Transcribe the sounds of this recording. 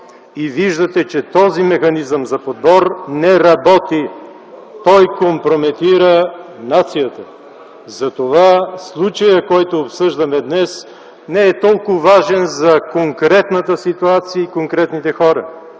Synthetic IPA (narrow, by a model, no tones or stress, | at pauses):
iviʒd̪ət̪ɛt͡ʃɛt̪ɔzimɛxɐnizəmzɐpod̪̚bɔɾnɛɾɐbɔt̪i | t̪ɔjkompɾomɛt̪iɾənat̪sijət̪ə | zɐt̪ovaslˠut͡ʃəjəkɔjt̪oːpsɤʒd̪ɐmɛd̪nɛs | nɛɛt̪ɔlˠkʊvaʒɛnzɐkoŋkɾɛt̪nət̪əsit̪uat̪sijəikoŋkɾɛt̪nit̪ɛxɔɾə